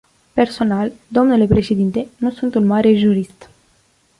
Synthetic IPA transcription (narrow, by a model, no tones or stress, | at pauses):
pe̞rso̞nald̪o̞mnule̞pɾe̞ʃe̞d̪int̪e̞nusunt̪unmaɾe̞ʒuɾist̪